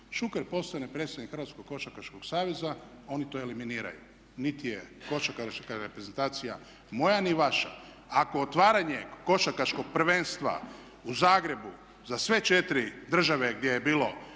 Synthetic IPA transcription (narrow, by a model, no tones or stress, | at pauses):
ʃukeɾpo̞st̪anepɾet̪st̪adnikxrɾʋat̪sko̞ɡ̚kːo̞ʃakaʃkoɡsaːʋe̞za | o̞nit̪o̞eliminiːɾa̰jṵ | nit̪ije̞ko̞ʃakaʃkaɾepɾeze̞nt̪aːt̪sija̰ | mo̞janiʋaʃa̰ | ako̞ot̪ʋaːɾaɲe̞ko̞ʃakaʃko̞ɡ̚pr̩ʋenst̪ʋa̰ | uzaːɡɾe̞bu | zasʋe̞t͡ʃe̞t̪iɾid̪r̩ʒaʋe̞ɡd̪ʲje̞jebiːlo̞